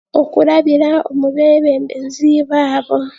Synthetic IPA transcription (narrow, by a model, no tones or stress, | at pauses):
okuɾaβiɾaomuβeːβeːmbenziːβaːβo